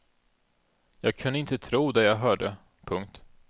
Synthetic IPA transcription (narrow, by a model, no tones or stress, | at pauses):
jɑːɡ̚kʰɵnd̪əɪnt̪ət̪ʰɾuːd̪ɛjɑːɡɦœːɖə | pʰɵŋk̚t̪